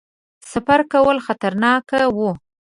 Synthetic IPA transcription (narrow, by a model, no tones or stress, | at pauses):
safaɾkawəlxat̪aɾnɑkawu